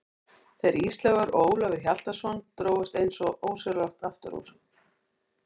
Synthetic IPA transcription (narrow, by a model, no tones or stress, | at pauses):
θejɾist̪lɛɣaɾoːwlavɪçjal̥t̪asvɔnt̪ɾoːwɪst̪ejnsɔʔoːwsɛɾlaht̪aft̪ʏ̰ɾṵɾ̥